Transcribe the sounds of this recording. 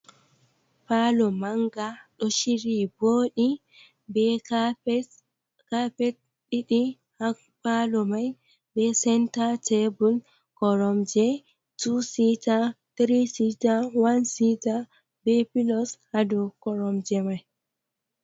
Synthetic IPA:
palɔmaŋɡaɗɔʃiɾiboːɗi | bɛ | kapɛt | ɗiɗi | ha | palɔmaj | bɛsɛntatebul | kɔɾɔmd͡ʒɛ | tusitatɾisitawansita | bɛpilɔshadɔkɔɾɔmd͡ʒɛmaj

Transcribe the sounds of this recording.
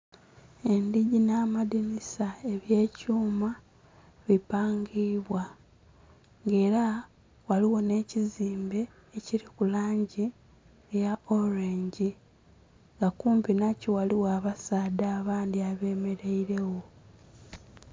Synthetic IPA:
e̞ndiɟinaːmadinisae̞βje̞ːcuːma | βipaːŋɡiːβwa | ŋɡe̞ːɾa | waliwo̞ne̞ːciziːmbe̞ː | ciɾikulaːɲɟi | jao̞ɾeɲɟi | ŋɡakuːmpinaciwaliwaːβasaːdaːβaːndiaβe̞ːme̞ɾe̞iɾe̞wo̞

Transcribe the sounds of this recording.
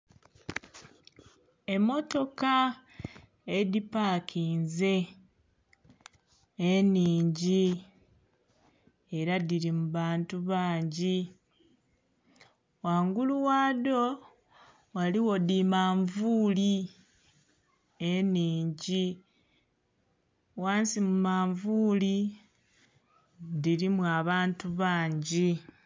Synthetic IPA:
e̞mːo̞to̞ka | edipakʰiːnze̞ | niːɲɟi | eɾadiɾimuβaːntuβaːɲɟi | waːŋɡuluwado̞ | waliwo̞dimaːɱvuːli | eniːɲɟi | waːnsimumaːɱvuːli | diɾimwuaβaːntuβaːɲɟi

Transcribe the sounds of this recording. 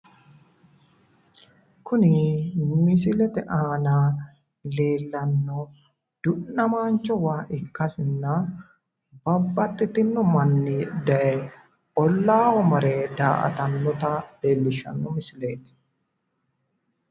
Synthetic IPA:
kʊnɪmɪs̬ɪlɛt̪ɛʔaːnaː | le̞ːlːɐnːɔ | d̪̥ʊnːɐmaːnt͡ʃːɔwaːʔɪkːɐsɪnːa | bɐbːɐt̪ːɪt̪ɪnːɔmɐnːɪd̪ɐʔɛ | ɔlːaːhɔmɐɾeːd̪aːʔɐ̰t̪ɐnːɔt̪ɐle̞ːlːɪʃɐ̰nːɔmɪsɪle̞ːt̪ɪ̥

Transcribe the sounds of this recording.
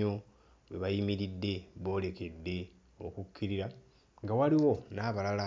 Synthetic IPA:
o̞ | βweβajimiɾidːe̞βo̞ːle̞ke̞dːe̞ | o̰kukʰːiɾiɾa | ŋɡawaliwo̞naːβalala

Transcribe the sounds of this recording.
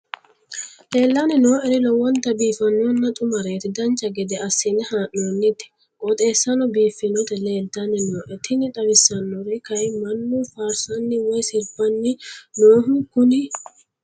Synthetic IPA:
leːlːanɪno̞ːʔɛɾɪlɔwɔnt̪ɐbiːfɐnːɔnːɐt̪ʼʊmɐɾeːt̪ɪd̪ɐnt͡ʃːɐɡɛd̪ɛɐsːɪnɛhaːʔnoːnːɪt̪ːɪ̥ | ʔɔt̪ʼe̞ːsːɐnɔbiːfːɪnɔt̪ɛle̞ːlt̪anɪnoːʔɛt̪ɪnɪᶑ̪ɐbɪsːɐnːɔɾɪkɐjmɐnːuːfaːɾsɐnːɪwɔjsɪɾbɐnːɪnoːɦʊkʊnɪ

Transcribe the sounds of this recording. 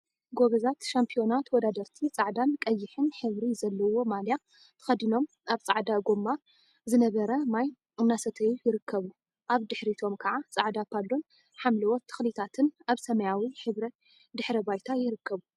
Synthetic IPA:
ɡoɡɐzat̪ʃampʰijo̞nat̪wɔd̪ad̪ɐɾt̪ʰit͡sʼaʕd̪ankʼɐjːɪħɨnħɨβɾizɐlːɐwo̞malja | t̪ʰɨ̥xɐd̪ino̞m | aβt͡sʼaʕd̪aɡomːa | zɨnɐβɐɾɐmaj | ɨnːasɐt̪ʰɐjujɪɾɨkʰːɐβu | ʔaβd̪ɨħɾit̪ʰo̞mkʰɐʕat͡sʼaʕd̪apʰːadon | ħamliwɔt̪ʰːɨ̥xlit̪ʰat̪ʰɨnaβsɐmɐjawiħɨβɾɐt̪ | d̪ɨħɾɐbajt̪ʰajɪɾɨkːɐβu

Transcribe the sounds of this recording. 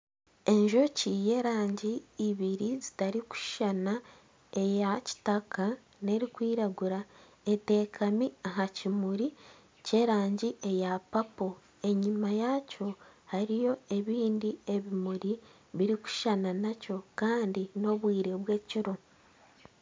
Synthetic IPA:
e̞ɲʒo̞cije̞ɾaːɲɟiːβiɾizi̥taɾiku̥ʃʃana | e̞jaci̥takʰa | ne̞ɾikwiːɾaɡuɾa | ete̞ːkʰamiaɦacimuɾi | ce̞ɾaːɲɟiʔe̞japapo̞ | e̞ɲimajaco̞haɾijo̞e̞βiːndie̞βimuɾi | βiɾiku̥ʃʃananaco̞kaːndino̞βwiːɾe̞βwe̞ːciɾo̞

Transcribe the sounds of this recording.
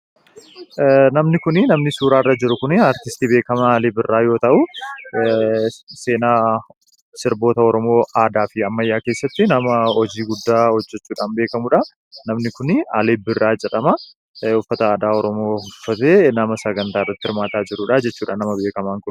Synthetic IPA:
nɐmnɪkʊnɪnɐmnɪsuːɾaːrːɐd͡ʒɪɾʊkʊnɪaːɾt̪ɪst̪iːbe̞ːkɐmɐːleːbɪrːaːjo̞ːt̪ɐʔʊ | seːnaː | sɪɾbo̞ːt̪ɐɔɾɔmo̞ːʔaːd̪aːfɪɐmːɐjːaːke̞ːsːɐt̪ːɪnɐmɐɔd͡ʒiːɡʊd̪ːaːhɔd͡ʒːɛt͡ʃːuːᶑaːnbe̞ːkɐmʊᶑɐ | nɐmnɪkʊnɪɐleːbɪrːaːd͡ʒɛᶑɐmɐ | ʊfːɐt̪ɐaːd̪aːɔɾɔmo̞ːhʊfːɐt̪eːnɐmɐsɐɡɐnt̪aːɪrːɐt̪ːɪhɪɾmaːt̪aːd͡ʒɪɾuːᶑad͡ʒɛt͡ʃːuːᶑa̰ːnːɐmɐbe̞ːkɐmaːŋkʊn

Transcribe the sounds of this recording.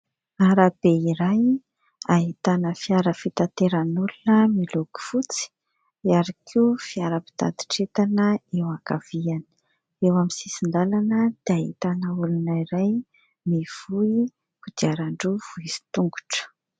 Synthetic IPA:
aɾab̥eiɾaj | aɦit̪anəfiaɾəfit̪at̪eɾanulunəmiluɡu̥fut͡si̥ | iaɾakʰiufiaɾəpi̥t̪a̰d̪i̥ʈ͡ʂet̪anəewakav̥ianə̥ | ewamisisind̪alanəd̪̥eaɦit̪anəulunaiɾaj | mev̥ui | kud̪iaɾaɳɖ͡ʐuv̥uizi̥t̪uŋɡu̥ʈ͡ʂə̥

